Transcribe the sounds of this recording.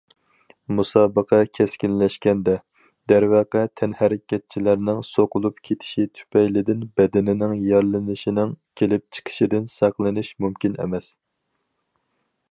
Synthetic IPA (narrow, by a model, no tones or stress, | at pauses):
musɑːbəqʰɑkʲʰɛskʲinlɛʃkʲɛnd̪ɛ | d̪̥æɾwɑqɛt̪ʰɛnhæɾɪkʲʰɛt̪̚t͡ʃʰilæɾnɪŋsoqʊlˠupkʲʰet̪ʰɪ̥ʃit̪ʰy̥pʰɛjlɪd̪ɪnbɛd̪ɪnɪnɪŋjɑɾlˠɨnɨʃinɪŋkʲʰelɪp̚t͡ʃʰə̥qʰə̥ʃid̪ɪnsɑqlˠɨnɨʃmumkʲinḛmɛs